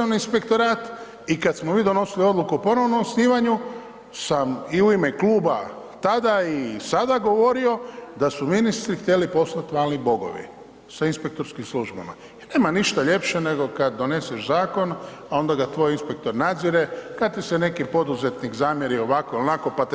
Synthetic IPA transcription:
aniinspe̞kt̪o̞ɾaːt̪ | ikat̪smomiːd̪o̞no̞silio̞d̪lˠukupo̞no̞ʋnomsniːʋaɲu | samiuime̞kluːba | t̪ad̪aisad̪aɡo̞ʋo̞ɾio̞d̪asuminist̪ɾixt̪ʲje̞lipo̞slat̪ʋaːlnibo̞ɡo̰ʋḭ | sainspe̞k̚t̪o̞ɾskimsluʒba̰ma̰ | ine̞ːmaniʃt̪aʎe̞pʃe̞ne̞ɡo̞kad̪̚ːo̞ne̞seʃzaːko̞n | ao̞nd̪aɡat̪ʋo̞jinspek̚t̪o̞ɾnad̪ziɾe̞kad̪t̪isene̞kipo̞d̪uze̞t̪nikzaːmjeɾio̞ʋakoilnako̞pat̪

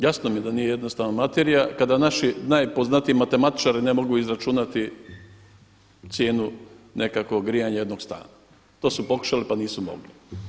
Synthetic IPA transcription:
jasnomije̞d̪anijeje̞d̪nost̪aːʋnamat̪e̞ɾijakad̪anaʃinajpo̞znat̪iemat̪e̞mat̪i̥t͡ʃaɾinemo̞ɡuizɾat͡ʃunat̪i | t̪sje̞ːnunʔe̞kako̞ɡɾijaɲajed̪no̞ɡst̪a̰ːna | t̪o̞ːsupo̞ku̥ʃalipaniːsumo̰ɡli

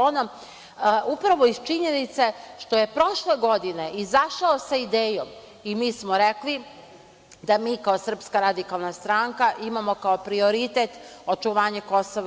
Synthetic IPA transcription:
onom | upɾaʋoist͡ʃiɲenit̪seʃt̪o̞je̞pɾo̞ʃleɡo̞d̪ine̞ʔizaʃaosaid̪eːjom | imiːsmoɾekli | d̪amiːkaosr̩pskaɾad̪ikalˠnast̪ɾaŋkaʔimamo̞kaopɾio̞ɾit̪et̪o̞t͡ʃuʋaːɲekosoʋ

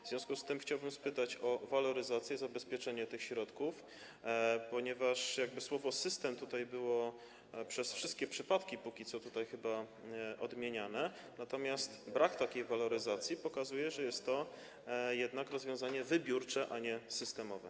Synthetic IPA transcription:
vzvʲjɔ̃skust̪ɘmxt͡ɕawbɘmspɘt̪at͡ɕɔvalɔɾɘzat̪sʲjɛzabɛspʲjɛt͡ʂɛɲɛt̪ɘxɕɾɔt̪kuf | pɔɲɛvaʂjaɡ̚bɘswɔvɔsɘst̪ɛmt̪ut̪ajbɘwɔ | pʂɛsfʂɘst̪kʲɛpʂɘpat̪kʲipukʲit̪sɔt̪ut̪ajxɘba | ʔɔd̪mʲjeɲanɛ | nat̪ɔmʲjast̪bɾakt̪akʲejvalɔɾɘzat̪sʲjipɔkazujɛʐɛjɛst̪ːɔ | jɛd̪nakɾɔzvʲjɔ̃w̃zaɲɛvɘbʲjuɾt͡ʂɛʔaɲɛsɘst̪ɛmɔvɛ̰

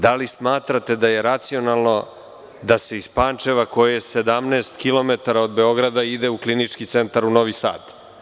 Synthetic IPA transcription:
d̪alismaːt̪ɾat̪ed̪aje̞ɾat̪sio̞nalˠno̞ | d̪ase̞ispant͡ʃe̞ʋako̞jesed̪amneːst̪kilˠo̞met̪aɾaod̪be̞o̞ɡɾad̪aid̪euklinit͡ʂkit̪se̞nt̪aɾuno̞ʋisa̰ːd̪

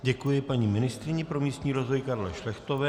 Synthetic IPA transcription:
ɟɛkujɪpaɲiːmɪnɪst̪ɾɪɲɪpɾo̞mɲiːst̪ɲiːɾo̞zvo̞jkaɾlɛ̰ʃlɛxt̪o̞vɛː

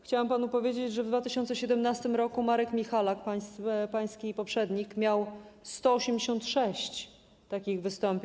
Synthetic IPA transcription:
xt͡ɕawampanupɔvʲjed͡ʑed͡ʑʐɛvd̪vat̪ɘɕɔnt̪sɛɕɛd̪ɛmnast̪ɘmɾɔkumaɾɛkmʲixalakpajspaj̃skʲipɔpʂɛd̪ɲikmʲjawst̪ɔɔɕemd͡ʑeɕɔnt̪ʂɛɕt͡ɕ | t̪akʲiɣvɘst̪ɔmpʲ

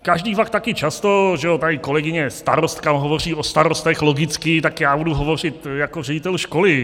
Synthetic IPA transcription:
kaʒdiːfak̚t̪akɪt͡ʃast̪o̞ʒɛot̪aɪko̞lɛɡɪɲɛst̪aɾost̪kamɦovo̞r̝iːʔost̪aɾost̪ɛxloɡɪt͡skɪt̪akjaːbuduɦo̞vo̞r̝ɪt̪jako̞rɛɟɪt̪ɛlʃko̞lɪ

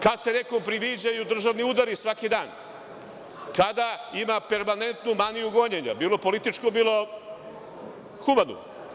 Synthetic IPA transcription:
kad̪se̞nekompɾiʋid͡ʑajud̪r̩ʒaʋniud̪aɾisʋakid̪aːn | kad̪aimape̞ɾmane̞nt̪numanijuɡoɲeɲa̰biːlopo̞lit̪it͡ʃkobiːlˠo̞ | xumanṵ

